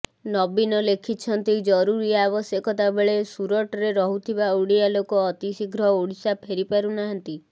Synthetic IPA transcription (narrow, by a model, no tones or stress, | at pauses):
nɔbinɔlekʰit͡ʃʰɔnt̪id͡ʒɔɾuɾiabɔsjɔkɔt̪abeɭesuɾɔʈɔɾeɾɔɦut̪ʰibauɽialokɔːt̪isiɡɾɔuɽisapʰeɾipaɾunaɦant̪i